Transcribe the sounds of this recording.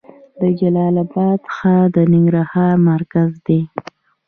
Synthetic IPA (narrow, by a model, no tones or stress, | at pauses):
d̪əd͡ʒalɑlabɑd̪sə̥xad̪ənɪŋɡɾahɑɾmaɾkazd̪e